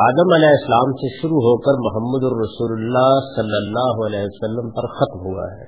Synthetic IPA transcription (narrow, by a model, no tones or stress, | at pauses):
aːd̪əmɐlɛːɪslaːmseʃʊɾuɦoːkɐɾmʊɦəmːəd̪ʊnɾɐsuːlʊlːaːɦsɐlːəlːaːɦɐlɛːɦiʋɐsɐlːəmpɐɾxɐt̪mɦua̰ɦɛ̰ː